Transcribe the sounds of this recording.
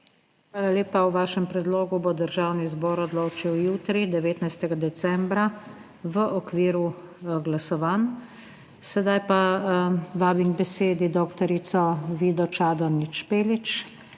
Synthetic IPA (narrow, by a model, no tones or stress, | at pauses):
xʋaːlaleːpawʋaːʃɛmpɾɛd̪loːɡubod̪əɾʒaːwnizbɔːɾɔd̪loːt͡ʃiwjuːt̪ɾid̪ɛʋeːt̪najst̪ɛɡad̪ɛsɛmbɾa | ʋəʔɔkʋiːɾu | ɡlasɔʋaːn | sɛd̪ajpa | ʋaːbiŋɡbɛseːd̪id̪okt̪ɔɾisɔʋiːd̪ɔt͡ʃaːd̪ɔnit͡ʃpeːlit͡ʃ